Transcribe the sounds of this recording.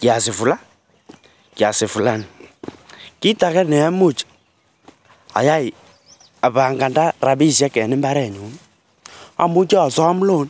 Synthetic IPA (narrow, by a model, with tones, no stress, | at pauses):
kja˨sɪ˨fu˨la˦ | kja˨sɪ˨fu˨la˦n˨ | ki˦ta˨kɛ˦nɛ˨˦a˦mu˦t͡ʃ | a̰˨ja˦ɪ˨ | a˨βa˨ŋɡa˨nda˦ra˨bi˦˨sja˦kɛ˨nɪ˦mba˦ɾɛ˨ɲu˨˦n | a̰˨mu˦t͡ʃa˦a˨sɔ˦a˦m˦lo˦n